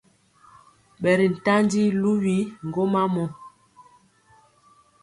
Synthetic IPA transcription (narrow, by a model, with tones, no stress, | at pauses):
ɓɛ˨ɾi˨n̩˨ta˦ndi˦lu˦wi˦ŋ˨ɡo˦ma˦mɔ˨